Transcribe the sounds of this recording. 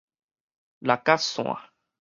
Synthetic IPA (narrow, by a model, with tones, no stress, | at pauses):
la˨ka˦sɔ̰̃˨a̰˨